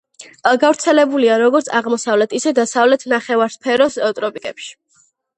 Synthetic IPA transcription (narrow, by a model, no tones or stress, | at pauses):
ɡavɾt̪sʰɛlɛbuliaɾɔɡɔɾt̪sʰaʁmɔsavlɛt̪ʰisɛd̪asavlɛt̪ʰnaχɛvaɾspʰɛɾɔst̪ʼɾɔpʼikʼɛpʃi̥